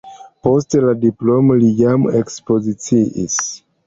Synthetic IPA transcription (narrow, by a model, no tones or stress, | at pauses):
po̞steladiplo̞molijamekspo̞zit͡siʔis